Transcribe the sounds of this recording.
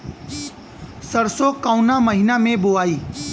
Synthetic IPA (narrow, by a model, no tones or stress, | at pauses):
səɾsokaːʊnaməɦɪnamẽboaːiː